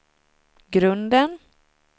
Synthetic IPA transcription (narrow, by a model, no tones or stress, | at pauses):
ɡɾɵnd̪ən